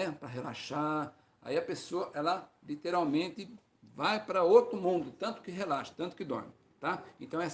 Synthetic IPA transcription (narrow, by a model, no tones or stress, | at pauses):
ɛpɾɐɦela̰ʃa | a̰iɐpesoɐʔɛlɐlit̪eɾawmẽnt̪ɪ | vajpɾɐot̪ɾʊmũnd̪ʊt̪ɐ̃nt̪ʊ̥kɪɦelaʃɐ̥t̪ɐ̃t̪ʊ̥kɪd̪ɔ̰ɾmɪ | t̪aẽnt̪ɐ̃w̃ɛs